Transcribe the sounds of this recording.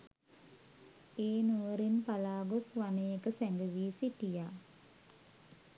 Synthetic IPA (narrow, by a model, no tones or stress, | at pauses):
eːnuʋəɾinpalaːɡosʋanejekəsæŋɡəʋiːsiʈijaː